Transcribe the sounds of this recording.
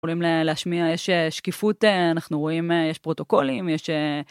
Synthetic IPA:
olimleleaʃmiajeʃeʃkifuteanaχnuʁo̞imejeʃpʁo̞t̪o̞ko̞limjeʃe

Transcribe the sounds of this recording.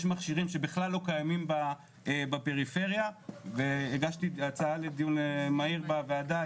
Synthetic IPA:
ʃmaχʃiʁimʃebiχlalːo̞kajamimba | ebapeʁife̞ʁjaveeɡaʃt̪iat͡saaled̪ijunmaiʁbaveada

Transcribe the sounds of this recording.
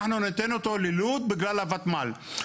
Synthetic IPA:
ħnunɪt̪enot̪olɪluːt̪̚bɪɡlaːlavat̪maːl

